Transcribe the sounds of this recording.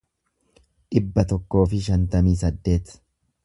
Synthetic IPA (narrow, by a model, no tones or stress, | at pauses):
ᶑɪbːɐt̪ɔkːo̞ːfɪʃɐnt̪ɐmiːsɐd̪ːe̞ːt̪